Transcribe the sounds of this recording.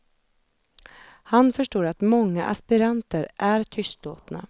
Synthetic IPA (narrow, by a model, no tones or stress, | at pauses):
hanfœʂʈoːɾat̪mɔŋːa̰ʔa̰spɪɾant̪əɾʔæɾt̪ʰʏst̪o̰ːt̪na̰